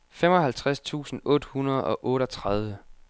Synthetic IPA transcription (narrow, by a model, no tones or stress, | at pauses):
femɒ̽ɦælt͡sʰʁast͡sʰṵːsn̩ɔ̽ːd̥əhunɐð̞̩ˠɒ̽ʔɔ̽ːɾət͡sʰʁað̞ˠʋə